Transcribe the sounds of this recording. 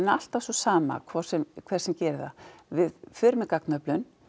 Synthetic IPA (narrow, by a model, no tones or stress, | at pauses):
nːal̥t̪avsɔsaːma̰kʰvɔɾ̥sɛmkʰvɛr̥sɛmcɛːɾða̰vɪðfʏɾmɪkaknœplʏn